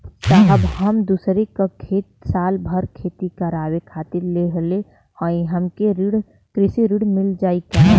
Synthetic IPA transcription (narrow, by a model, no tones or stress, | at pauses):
səɦəbɦəmd̪uːsɾekakʰeːt̪̚saːlbʱəɾkʰeːt̪ikəɾaːwekʰaːt̪ɪɾleɦle | hõĩɦəmkeɾiɽ | kɾɪsiɾiɽmɪld͡ʒaːika